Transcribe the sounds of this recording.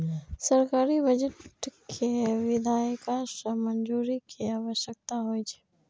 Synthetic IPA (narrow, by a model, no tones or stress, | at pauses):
səɾkaːɾibəd͡ʒəʈʈkʰeʋɪd̪ʱaːjkasəmənd͡ʒuːɾikʰiaːʋəʃjək̚t̪aɦoit͡ʃʰe̥